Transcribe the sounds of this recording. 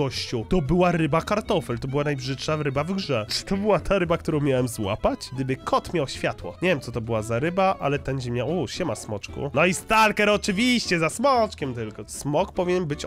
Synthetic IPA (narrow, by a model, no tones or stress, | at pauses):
ɔɕt͡ɕut̪ɔbɘwaɾɘbakaɾt̪ɔfɛlt̪ɔbɘwanajbʐɘtʂaɾɘbavɡʐɛʈ͡ʂt̪ɔbɘwat̪ʰaɾɘbak̚t̪uɾɔ̃w̃mʲjawɛmzwa̰pat͡ɕɡ̚d̪ɘbɘkʰɔt̪mʲjawɕfʲjat̪wɔ̰ɲevjɛmsɔt̪ɔbɘwazaɾɘbaa̰lɛt̪ɛnʑimʲɲawuɕɛmasmɔt͡ʂkṵnɔist̪alkɛɾɔt͡ʂɘvʲiɕt͡ɕɛzasmɔt͡ʂkʲɛmt̪ɘlkɔsmɔkpɔvʲiɲɛnbɘt͡ɕ